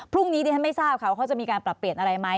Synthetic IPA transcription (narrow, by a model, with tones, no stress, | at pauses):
pʰɾu˥˩ŋniː˦˥diː˧tʰa˥˩ma˥˩jsaː˥˩p̚kʰa˦˥˩wkʰa˦˥t͡ɕa˨˩ʔmiː˧kaː˧npɾa˨˩pːɾi˨˩ənʔa˧ɾa˧jma˦˥j